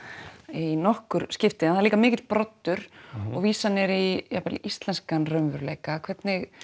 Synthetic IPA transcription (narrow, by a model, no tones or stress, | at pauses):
inɔhkʏɾ̥scɪft̪ɪnaθaɾliːkamɪːcɪt̪pɾɔt̪ːʏɾ̥ɔɣviːsanɛɾijapalist̪lɛnskanrœɥmvʏɾlḛjkakʰvɛt̪nɪɣ